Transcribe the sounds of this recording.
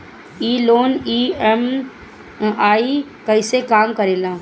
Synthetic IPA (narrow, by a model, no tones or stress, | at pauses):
iːloːniːɛm | aːikɐɪsekaːmkəɾeːlaː